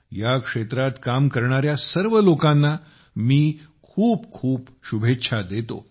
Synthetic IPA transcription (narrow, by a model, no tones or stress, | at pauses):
jakʂet̪ɾat̪kamkəɾɳ̃aɾjasəɾʋəlokãnːa | miːkʰuːpkʰuːp | ɕubʱetːɕʰad̪et̪o̰